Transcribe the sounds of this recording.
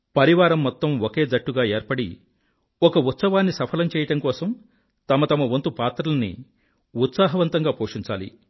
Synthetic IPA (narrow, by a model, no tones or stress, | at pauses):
pɐɾiʋaːɾɐmːɔt̪ːɐmoke̞ːd͡zɐʈːuɡaːeːɾpɐɽḭ | ɔkɐut̪sɐʋaːnːisɐpʰɐlɐmt͡ʃɛːjɐʈɐmkɔːsɐm | t̪ɐmɐt̪ɐmɐʋont̪upaːt̪ɾɐlɐnḭ | ut̪saːɦɐʋɐnt̪ɐŋɡaːpoːʂiɲt͡ʃaːlḭ